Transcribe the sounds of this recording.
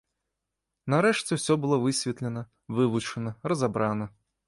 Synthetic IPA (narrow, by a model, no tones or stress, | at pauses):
naɾɛʂt͡sʲɛwsʲɔbɨlˠɔvɨsʲvʲɛt̪lʲɛnɐ | vɨvut͡ʂɐnɐrɐzabɾanɐ